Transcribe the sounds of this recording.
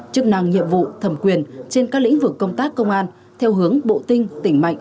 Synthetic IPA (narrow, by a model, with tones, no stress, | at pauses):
t͡ɕɨ˦˥ək̚na˧ŋɲḭ˧˨əmvṵ˧˨t̪ʰə˨˩mkwi˨˩ənt͡ɕe˧nkaː˦˥klḭ̈˧˥ŋ̟vɨ˨˩kːə˧wŋ͡mt̪aː˦˥kːə˧wŋ͡mʔaː˧n | t̪ʰɛ˧wɦɨ˨˦əŋɓo̰˧˨t̪ï˧ŋ̟t̪ï˧˩ŋ̟ma̰˧˨jŋ